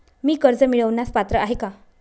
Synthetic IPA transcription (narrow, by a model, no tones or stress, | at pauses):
miːkəɾd͡zəmiɭəʋnaspat̪ɾəaɦeka